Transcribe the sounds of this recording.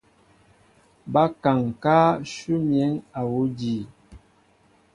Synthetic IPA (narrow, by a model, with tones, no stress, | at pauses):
ba˦ka˨ŋkaː˦ʃu˦mjɛ˨˦ŋa˨wu˦di˨